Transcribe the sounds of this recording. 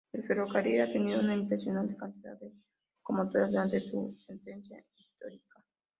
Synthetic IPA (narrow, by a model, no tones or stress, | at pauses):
pɾefeɾokaɾiɾat̪eniɾounaimpɾesjonant̪ekant̪iða̰ðe | komot̪oɾazeant̪esṵsent̪ẽnsja̰ist̪oɾika